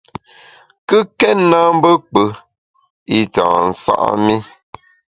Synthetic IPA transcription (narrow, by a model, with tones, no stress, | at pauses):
kɨ˦kɛ˦tna˦m̩˦bə˦k͡pə˨˦ | i˦tã̰˨n̩˨sa̰˦ʔmi˦